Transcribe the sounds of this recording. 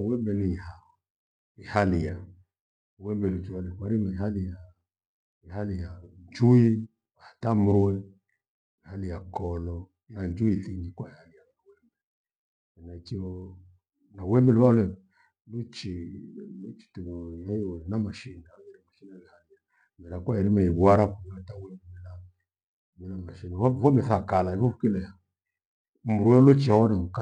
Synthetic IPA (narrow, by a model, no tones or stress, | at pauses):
wɛmbɛniiha | ihalija | wɛmbɛlut͡ʃialɛkwaɾimaiɦalija | ihalijaɲd͡ʒui | ahatamwɛ | ihalijakɔlɔ | nand͡ʒuiθiɲd͡ʒikwahalijaawɛmbɛ | ɛnait͡ʃiɔ | nawɛmɛlβalɛ | lot͡ʃilot͡ʃi̥tujajɔnamaʃinajɛɾimaʃinalɛhalija | mɛlakwajɛɾimɛiaɾakuatawɛbmɛla | mɛamaʃinafɔmɛθakalaikofukilɛja | muɾuɛlot͡ʃawɔnamuka